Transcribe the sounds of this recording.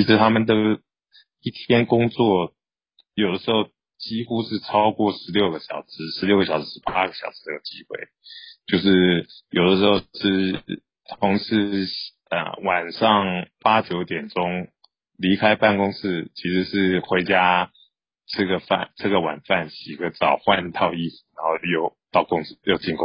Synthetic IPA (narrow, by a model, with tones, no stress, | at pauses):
t͡ɕʰi˧˥ʂɻ̩˧˥t̪ʰa˥mə˨nt̪ə˧ | i˥˩t̪ʰjɛ˥nkʊ˥ŋt͡swɔ˥˩ | jo˨˩ʊd̪ə˦ʂɻ̩˧˥xo˥˩ʊ | t͡ɕi˥xu˥ʂɻ̩˥˩ʈ͡ʂʰɑ˥ʊkwɔ˥˩ʂɻ̩˧˥ljo˥˩ʊɡə˩ɕjɑ̰˨˩ʊʂɻ̩˥ʂɻ̩˧˥ljo˥˩ʊɡə˩ɕjɑ˨ʊʂ̩˥ɻ̩˥˩pa˥a˥ɡə˨˩ɕjɑ˨˩ʊʂ̩˥ə˧˩jo˨˩ʊt͡ɕi˥xwe˥˩ɪt͡ɕjo˥˧ʊʂɻ̩˥˩jo˨˩ʊd̪ə˦ʂɻ̩˧˥xo˥˩ʂɻ̩˥˧ | t̪ʰʊ˧˥ŋʂɻ̩˥˧ | ə̰˩wa˨˩nʂɑ˥˩ŋpa˥t͡ɕjo˧˥ʊt̪jɛ˨˩nʈ͡ʂʊ˥ŋ | li˧˥kʰa˥ɪpa˥˩nkʊ˥ŋsɹ̩˥˩t͡ɕʰi˧˥ʂɻ̩˧˥ʂɻ̩˥˩xwe˧˥ɪt͡ɕja˥ | ʈ͡ʂə˥˧˩ɡə˩fa̰˥˧˩nʈ͡ʂə˥˩ɡə˩wa̰˨˩nfa˥˩nɕi˨˩ɡə˧˦t͡sɑ˨˩ʊxwa˥˧nt̪ʰɑ˥˧ʊi˥˩s̩˨˩ɻa˧˥nxo˥˧ʊjo˥˧ʊt̪ɑ˥˩ʊkʊ˥ŋs̩˥˧jo˥˧ʊt͡ɕi˥˧ŋkʊ˥